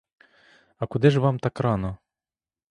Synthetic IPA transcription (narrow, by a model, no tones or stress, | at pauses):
ɐkud̪ɪʐvamt̪akɾanɐ